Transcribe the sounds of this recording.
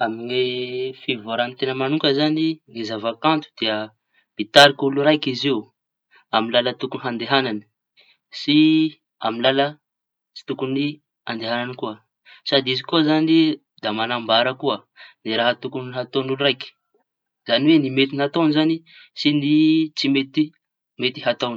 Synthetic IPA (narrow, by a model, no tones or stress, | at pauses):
amiŋefivaɾanit̪enəmanuŋkəzaniŋezavakant̪u̥d̪eə | b̥it̪aɾikuluɾajkizeu | amilalət̪ukuniɦand̪eɦanani̥ | si | a̰minlalə | t͡si̥t̪ukuni | and̪eɦananikuə | sad̪iizikozani | d̪amanambaɾəkuə | niɾaɦət̪ukunɦat̪onuluɾajki̥ | z̥aniwenimet̪inat̪onizani | sinit͡simet̪i | met̪i̥ɦat̪oni̥